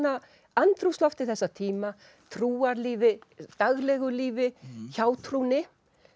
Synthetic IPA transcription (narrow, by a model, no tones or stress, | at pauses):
na | ant̪ɾust̪lɔft̪ɪ̥θɛsːat̪ʰiːma | t̪ʰɾuːaɾliːvɪt̪aɣlɛːɣʏliːvɪçaːwt̪ʰɾunɪ